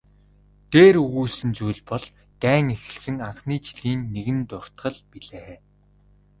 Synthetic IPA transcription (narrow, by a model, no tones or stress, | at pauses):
t̪eːɾɵɣuːɮsɘ̆nt͡sujɮpɔɮ | t̪æːŋexɘ̆ɬsɘ̆ŋaɴχniːt͡ɕi̥ɮiːnːeɣɘ̆nt̪ʊr̥t̪ɢə̆ɮpiɮeː